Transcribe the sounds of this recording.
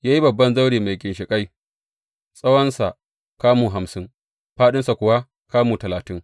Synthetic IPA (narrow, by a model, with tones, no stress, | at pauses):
jaː˦ji˦bɐ˨bːɐ˦nza˦wɽiː˨ma˨jkʲʼɪ˨nʃɪ˨kʼa˦j | sʼɐ˦wɐ˦nsa˨ | kaː˦muː˨ɦa˨msɪ˦ŋ | ɸaː˦ɗɪ˦nsa˨kʷʊ˨wa˦ | kaː˦muː˨tɐ˨laː˨tɪ˦ŋ